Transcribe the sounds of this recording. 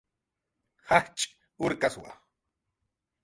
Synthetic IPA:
haht͡ʃʼ | ʊɾkaswa̰

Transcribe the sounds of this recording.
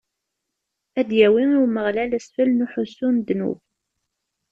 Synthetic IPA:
æd̪jæwiiwməʁlælæsfəlnuħʊsːund̪nṵv

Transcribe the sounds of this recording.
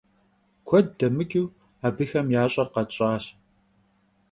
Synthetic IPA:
kʷʰɔdːɐmɨkʲʼiw | aːbɨxɐmjaːɕʼɐrqɐt͡ʃʼaːɕ

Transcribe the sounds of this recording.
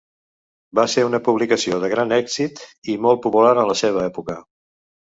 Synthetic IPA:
baseɾunəpuβlikəsioðəɣɾanɛɡzit̪imɔlˠt̪̚pupulaɾənləseβ̞əɛpukə

